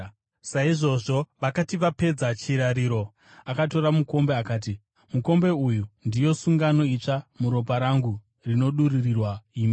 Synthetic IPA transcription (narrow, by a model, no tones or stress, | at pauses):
saiʐo̞ʐo̞ʋakatiʋape̞d͡zat͡ʃiɾaɾiːɾo̞ | akato̞ɾamuko̞mbe̞akaːt̬i | muko̞mbe̞ujundijo̞suŋɡano̞it͡ʂamuɾo̞paɾaŋɡu | rino̞ɗuririrwaiːmi